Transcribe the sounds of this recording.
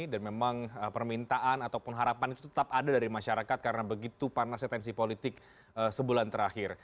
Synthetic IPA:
danmemaŋəpərmint̪aʔanat̪awpʊnɦaɾapanit̪ut̪ə̥t̪apadadaɾimaʃaɾakat̪̚kaɾənabəɡit̪uparnasɛt̪ɛns̬ipolit̪ɪk̚ | əsəbulant̪əɾahɪr

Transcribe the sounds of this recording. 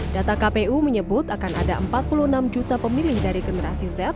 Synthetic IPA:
d̥at̪akapeʔuməɲəbʊt̪akana̰daʔəmpat̪̚puluənamd͡ʒut̪apəmilɪhdaɾiɡənəɾasizɛt̪̚

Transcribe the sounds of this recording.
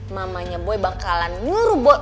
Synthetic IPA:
mamaɲabɔibaŋkalanŋuɾubɔ

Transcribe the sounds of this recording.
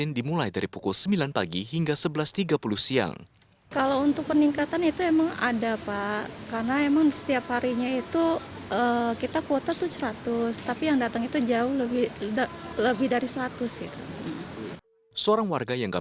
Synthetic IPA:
ɪndimulajdaɾipukʊlsəmbilanpaɡiɦiŋɡasəbəlast̪iɡapuluhsia̰ŋ | kalawunt̪ʊk̚pəniŋkat̪anit̪uemaŋa̰dapakarnaemaŋsə̥t̪iaphaɾiɲait̪uʔəkit̪akot̪at̪ut͡ʃəɾat̪ʊst̪apijaŋdat̪əŋit̪ud͡ʒaʊhləbɪ | ləbɪhdaɾisəɾat̪ʊsik̪a̰ | səoɾaŋwarɡajaŋka̰

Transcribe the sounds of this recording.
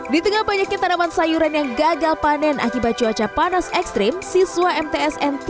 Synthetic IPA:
dit̪əŋalbaɲak̚ɲat̪ːanawansajuɾanjaŋɡaɡalpanɛnʔa̰kibat̪̚d͡ʒuat͡ʃapanasɛkst̪ɾimsiswaɛmt̪eɛsɛnt̪

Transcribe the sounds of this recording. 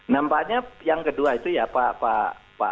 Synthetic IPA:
nampaʔɲajaŋkəduait̪ujapapapa̰

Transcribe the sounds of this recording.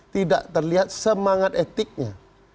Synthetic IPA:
t̪ida̰ʔt̪ərliɦat̪̚səmaŋat̪et̪ɪk̚ɲa

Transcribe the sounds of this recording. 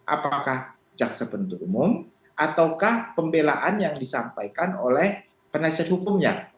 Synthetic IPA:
ʔa̰pakah | d͡ʒaksapənt̪uumʊm | ʔat̪awkahpəmbelaʔanjaŋdisampajkanolɛh | pənasiat̪̚hukʊmɲa

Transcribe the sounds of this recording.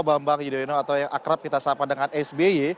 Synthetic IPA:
bambakd͡ʒidoinoat̪awjaŋʔakɾap̚kit̪asapadəŋanɛsbei

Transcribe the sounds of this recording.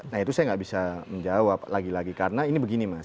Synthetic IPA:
nait̪usajaŋɡaʔbisaməɲd͡ʒawaplaɡilaɡikarənainibəɡinima

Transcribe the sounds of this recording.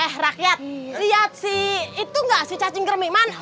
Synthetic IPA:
ɛhrakjat̪̚lijat̪̚siːt̪uŋɡaʔsit͡ʃat͡ʃɪŋkərmiman

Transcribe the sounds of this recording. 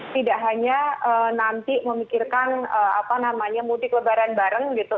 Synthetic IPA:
t̪idaʔɦaɲaənant̪iməmikirkanəapanamaɲamudɪkləbaɾanbaɾəŋɡit̪u

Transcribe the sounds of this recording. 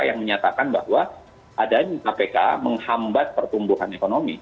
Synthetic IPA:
ajaŋməɲat̪akanbahwa | ʔadaɲakapeka̰məŋhambat̪̚pərt̪umbuɦanekonomi

